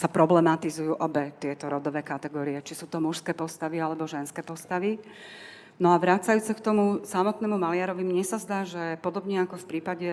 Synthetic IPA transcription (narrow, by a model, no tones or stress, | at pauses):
sapɾɔblɛmat̪izujuːʔɔbɛt̪ɪɛt̪ɔɾɔd̪ɔʋɛːkat̪ɛɡɔːɾiɛt͡ʃisuːt̪ɔmuʃskɛːpɔst̪aʋialɛbɔʒɛnskɛːpɔst̪aʋi | nɔaʋɾaːt͡sajuːt͡sɛkt̪ɔmusamɔt̪nɛːmumalɪaɾɔʋimɲɛsazd̪aːʒɛpɔd̪ɔbɲɛakɔfpɾiːpaɟɛ